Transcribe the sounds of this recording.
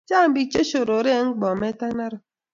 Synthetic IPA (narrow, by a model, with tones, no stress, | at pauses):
t͡ʃa˦˨m̩˦bi˦t͡ʃe˦ʃo˨ɾo˨ɾe˦ŋ̩˦ɡ͡bɔ˨me˦ta˦na˦ɾʊ˨